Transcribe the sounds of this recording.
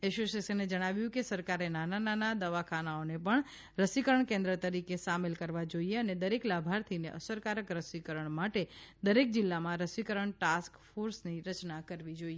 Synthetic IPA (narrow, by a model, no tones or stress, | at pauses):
ɛʃosesəned͡ʒəɽ̃aʋjũkesəɾkaɾenanananad̪əʋakʰanaonepəɳ | ɾəsikəɾəɳkẽnd̪ɾət̪əɾikesamelkəɾʋad͡ʒoieəned̪əɾeklabʱaɾt̪ʰineʔəsəɾkaɾəkɾəsikəɾəɳmaʈed̪əɾek̚d͡ʒɪlːamãɾəsʋikəɾəɳʈaskfoɾsniɾət͡ʃnakəɾʋid͡ʒoie